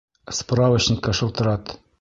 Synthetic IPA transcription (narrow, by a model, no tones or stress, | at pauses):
spravət͡ɕnʲɪkːəʃɤ̆lˠt̪ɤ̆ɾɑt̪